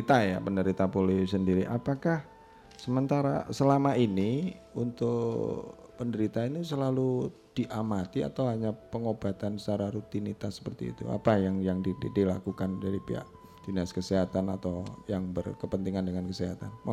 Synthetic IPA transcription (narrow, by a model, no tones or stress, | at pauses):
t̪aja̰pəndəɾit̪apolesəndiɾiʔapakah | səmənt̪aɾa̰səlamaini | unt̪ʊk | pəndəɾit̪ainis̬əlalu | d̥iʔamat̪ia̰t̪awɦaɲapəŋobat̪anst͡ʃaɾaɾut̪init̪asːə̥pərt̪ḭḭt̪ṵa̰pajaŋjaŋdidilakukandaɾipiɦa̰ʔ | d͡ʒinaskəseɦat̪anat̪awjaŋbərkəpənt̪iŋandəŋankəseɦat̪anma